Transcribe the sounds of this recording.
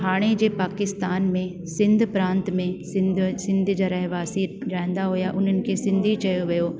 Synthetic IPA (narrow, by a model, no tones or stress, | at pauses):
ɦaːɽ̃ed͡ʑeːpaːkɪst̪aːnmẽ | sɪ̃nd̪ʱpɾãːnt̪mẽsɪd̪sɪ̃nd̪ʱd͡ʑɐɾɐɦʋaːsiɾaɪ̃n̆d̪aɦujaʔʊn̤ənɪ̆kesɪ̃nd̪ʱit͡ʃɐjoʋɐjoː